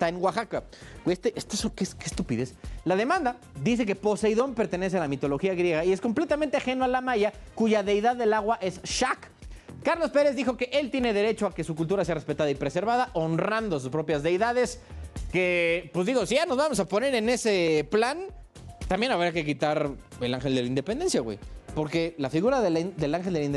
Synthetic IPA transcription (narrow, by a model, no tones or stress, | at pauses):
st̪aeŋɡwaxaka | est̪eʔest̪asokeskest̪upiðeslað̞e̞mãnd̪a | d̪is̬e̞k̬e̞po̞sejðo̞mpe̞ɾt̪e̞ne̞s̬ealamit̪o̞lo̞xiaɣɾje̞ɣ̞aiesko̞mple̞t̪amẽnt̪eaxe̞nualamaʝakuʝaðe̞jðaðːe̞laɣwaʔe̞sʃakː | aɾlo̞spe̞ɾe̞zðixo̞ke̞ʔe̞lt̪jene̞ðe̞ɾe̞t͡ʃo̞ake̞sukult̪uɾas̬e̞arespe̞t̪aðaipɾese̞ɾβaðaʔo̞nrand̪os̬uspɾo̞pjazðe̞jðaðe̞skepwezðiɣo̞siʝano̞zβamo̞sapo̞ne̞ɾene̞seplan | t̪ambje̞naβɾiakek̬it̪aɾelanxe̞ld̪e̞laind̪e̞pend̪e̞nsjaɣwḛjpo̞ɾke̞lafiɣuɾaðed̪e̞laŋxe̞ld̪elain